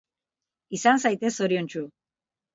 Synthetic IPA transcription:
isans̬ajt̪e̞so̞ɾiont͡ʃu

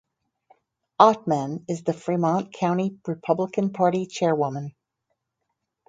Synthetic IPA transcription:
ɑt̚mɨ̃nɨzðɨfɹimɑ̃nkʰãʊ̃ɾ̃iɹɨpʰʌbləkɨ̃npʰɑɹɾit͡ʃʰɛɹwʊmə̃n

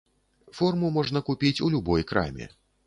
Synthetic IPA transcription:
fɔrmumɔʐnɐkupʲit͡sʲulʲubɔjkɾa̰mʲɛ̰

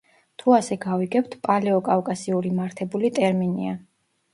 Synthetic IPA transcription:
t̪ʰuasɛɡaviɡɛpt̪ʰpʼalɛɔkʼafkʼasiuɾimaɾt̪ʰɛbulit̪ʼɛɾminḭa

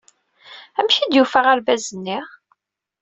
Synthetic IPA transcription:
æmʃid̪jufəʁaɾvæzənːiʁ

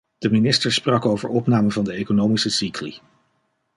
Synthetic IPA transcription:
d̥əminɪstəɹsprɑkowvəɹɔpnaːməvɑndəejkonowmisəsiklḭ

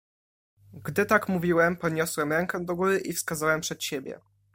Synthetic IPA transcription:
ɡd̪ɘt̪akmuvʲiwɛmpɔd̪ɲɔswɛmɾɛŋkɛd̪ɔɡuɾɘʔifskazawɛmpʂɛt̪ɕebʲjɛ̰

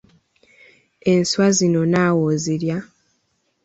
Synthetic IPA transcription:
e̞nswazino̞naːwoziɾja

